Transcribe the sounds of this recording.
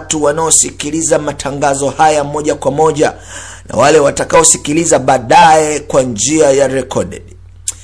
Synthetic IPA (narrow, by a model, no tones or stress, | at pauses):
tuwanaɔsikilizamatʰaŋɡazɔhajamɔʄakwamɔʄa | na̰walɛwatakaɔsikilizaɓaːɗaɛkwand͡ʒiajaɾɛkɔɗɛ̰ɗ